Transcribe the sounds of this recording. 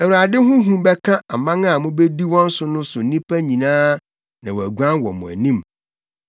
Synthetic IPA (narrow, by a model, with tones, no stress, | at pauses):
æ˨wu˨ɾa˨dɪ˦ɦʊ̃˦ɦũ˦bɛ˦kʰã˦a˨mã˦ŋa˨mʊ̃˦be˦di˦wɔ̃˦n̩˦sʊ˦nʊ̃˦sʊ˨n̩˨nĩ˦pʰæ˦ɲĩ˨nãː˦ | nã̰˨wɔ˨æ˨ɡʷã˦nwɔ̰˨mʊ̰̃˨æ̰˨nĩ˦m